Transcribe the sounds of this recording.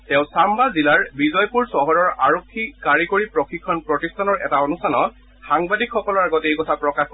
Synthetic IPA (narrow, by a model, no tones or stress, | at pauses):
tɛʊ̃sambazilaɹbizɔjpuɹsɔɦɔɹɔɹaɹokʰːikaɹikoɹipɹɔxikʰːɔnpɹɔtistʰanɔɹɛ̰taonustʰanɔ | xaŋbadikxɔkɔlɔɹaɡɔtejkɔtʰapɹɔkax